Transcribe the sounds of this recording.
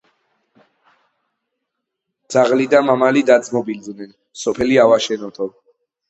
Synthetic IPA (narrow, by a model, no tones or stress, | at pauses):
d̪z̥aʁlid̪amamalid̪ad̪zmɔbild̪nɛn | sɔpʰɛliavaʃɛnɔt̪ʰɔ